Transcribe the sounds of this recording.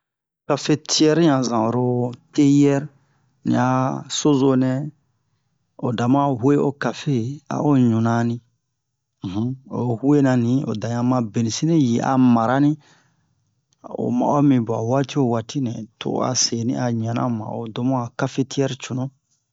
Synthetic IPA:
ka˦fe˦tʰi˦ɛ˦ɾɲã˨zã˨o˨ɾo˦te˦jɛ˦ɾ | nḭ̃˨a˨so˦zo˦nɛ̃˦ | o˨da˨mã˦hwe˦o˦ka˨fe˦a̰˨ʔo˦ɲũ˨nã˨nĩ˦˨ | ɦo˨hwe˦nã˨nĩ˨˦o̰˨da˨ɲã˨mã˧be˨nĩ˨si˦nĩ˦ji˨ʔa̰˨ma˨ɾa˦nĩ˦ | o̰˨mã̰˨o˦mĩ˨bu˨a̰˨wa˦ti˦o˦˨wa˨ti˦nɛ̰̃˨to̰˨˦a̰˨se˨˦nḭ̃˦ʔa˨ɲã˨nã̰˦mã̰˨o̰˨do˦mũ˦a˨ka˦fe˦ti˦ɛ˦ɾt͡ʃu˨nũ˦

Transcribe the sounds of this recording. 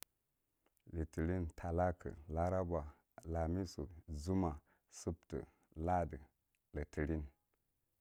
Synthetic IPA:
lə˨tə˨ɾi˦ntʰa˨la˦kʰə̰˨la˦ɾa˦ba˨ | la˨mi˦su˨zu˦ma˨ | su˦ptə̰˨ | la˦də˨ | lə˨tʰə˨ɾi˦n

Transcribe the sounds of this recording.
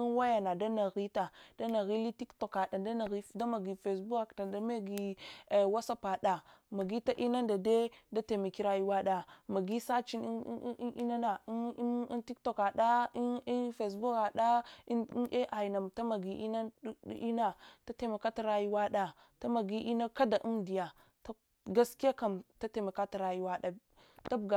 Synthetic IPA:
i˦n˦wa˦ja˨na˨da˦na˨ɣi˦ta˨d̥a˦na˨ɣi˦li˦ti˦kto˨ka˨da˨da˦na˨ɣi˦da˦ma˨ɡi˨fe˨sbu˦a˨kta˨da˦me˦ɡi˨wa˦sa˦pa˨da˨ma˨ɡi˦ta˦ʔi˦na˦nda˨de˦da˦te˨ma˨ki˦ɾa˦ji˦wa˦ɗa˨ma˨ɡi˦sa˦t͡ʃi˦n˦ʔi˦na˦na˨˦ti˦kto˨ka˨da˦i˦fe˨s̬bu˦ka˨ɗa˦ | e˦ʔa˨i˨na˨mta˦ma˨ɡi˨ʔi˦na̰˦ʔi˦na˦ta˦te˨ma˨ka˦ta˨ɾa˦ji˦wa˦ɗa˨ | ta˦ma˨ɡi˦ʔi˦na˦ka˦da˨ʔu˦mdi˨ja˨ | ta˦ | ɡa˦ski˦a˦ka˨mta˦te˨ma˨ka˦ta˨ɾa˨ji˦wa˦ɗa˨ | ta˦bɡa˨

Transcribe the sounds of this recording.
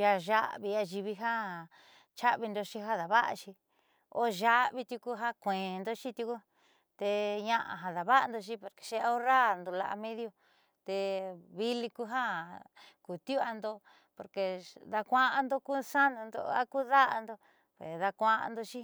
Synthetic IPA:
ja˧ʒa̰˦βi˧a˧ʒi˧βi˧ɦa˦ | t͡ʃa˦βi˧nd̪o˧ʃi˦ɦa˦ða˨βa˦ʔa̰˧ʃi˧ | o̰˦ʒa˦βi˧t̪ju˧ku˧ɦa˦kʷẽː˨˧nd̪o˦t͡ʃi˦t̪ʲu˧ku˦ | t̪e˧ɲã˦˧ʔa̰˧ɦã˧ða˨βa˦a˧nd̪o˧ʃ̬i˦po˨ɾke̥˨ʃe˦˧a˧o˦ɾa˦nd̪o˧la̰˧ʔa̰˧mẽ˦ðjo˧ | t̪e˧βi˦li˧ku˦ɦa˦ | ku˨t̪ju˦a˧nd̪o˧ | po˨ɾke˧ða˧kʷã˦ʔa˧nd̪o˧ku˦sa˦ndũ˧nd̪o̰˧a˦ku˦ða˦ʔa̰˧nd̪o˧ | pe˨ða˧kʷã˧ʔa̰˧nd̪o˧ʃi˦

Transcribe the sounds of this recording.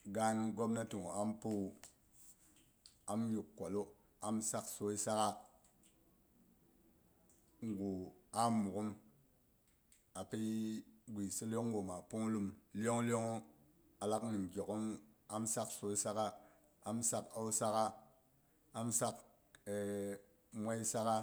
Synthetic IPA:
ɡa˦nɡo˦bna˦tu˨ŋo˨a˦mpu˦˨ | a˨mju˨kːʷo˨lu˦ | a˦msa˦kso˦i˦sa˦ka˦ | ŋ˨ɡu˨a˦mu˨ku˦m | a˨pi˦ɡʷi˨si˦lo˦ŋ˦ɡo˨ma˨pu˦ŋ˦lu˦mlo˦ŋ˦lo˦ŋo˦ | a˨la˦kni˨mɡʲo˨ku˦ma˦msa˦kso˦i˦sa˦ka˦ | a˦msa˦ka˦u˦sa˦ka˦ | a˦msa˦k | e˨ | mʷa˦i˦sa˦ka˦

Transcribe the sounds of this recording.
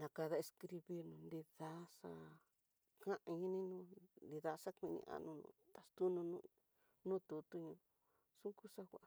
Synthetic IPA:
nã˨ka˧ða˧e˧skɾi˧βi˧nũ˧nd̪i˧ða˧˦ʂa̰˧ | kã˦ʔã˧ɲĩ˦nĩ˦nũː˦nd̪i˧ða˧˦ʂa˦kʷĩ˧nḭ̃˧ã̰˧nũ˧nṵ̃˧t̪a˨st̪u˦nũ˧nũ˦˧ | nũː˦t̪u˧t̪u˦ɲũ˧ | sũ˦ku˦ʂa˦kʷa˨ʔa˧

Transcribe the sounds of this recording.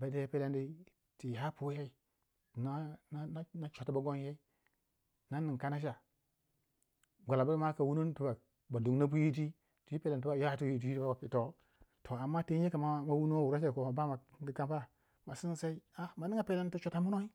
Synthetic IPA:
ba˨˦de˦pe˦le˦ndi˦ | ti˨ɦa˦pu˦je˦i˨ | na˦na˦na˦na˦t͡ʃo˨ta˦ba˨ɡo˦nje˦i˦ | na˦ni˨ŋ˨ka˦na˦ʃ̬a˨ | ɡʷa˨la˨ba˦ma˦ka˨wu˦no˦n˦tu˦ba˨ | ba˨du˨ŋna˦bu˦ji˦t̬i˦ | ti˨i˦pe˦le˨n˨tu˦ba˨ja˦˨tu˦ji˦t̬i˦i˦i˦ba˦ba˨pi˨to˦ | tʰo˨a˨mːa˦ti˦e˦ka˨ma˦ma˦wu˦no˦wu˨ɾa˦s̬e˦˨ko˨ma˨ba˦ma˨˦i˦ka˦mpa˦ | ma˨si˦n˨sa˦i˦a˦ma˨ni˦ŋa˨pe˦le˦n˦tu˦t͡ʃo˨ta˨mu˦no˦i˦

